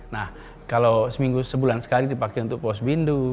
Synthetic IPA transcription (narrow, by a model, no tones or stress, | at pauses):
nah | kalosəmiŋɡusəbulansə̥kalidipakɛunt̪ʊk̚pɔsbindu